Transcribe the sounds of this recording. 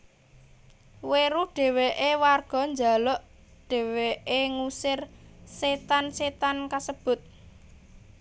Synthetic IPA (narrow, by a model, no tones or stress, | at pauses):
weɾuɖ̥e̤weʔewarɡ̥ɔ̤ɲd͡ʒa̤lɔʔ | ɖ̥ɛ̤weʔeŋusɪrset̪anset̪ankasəb̥ʊ̤t̪̚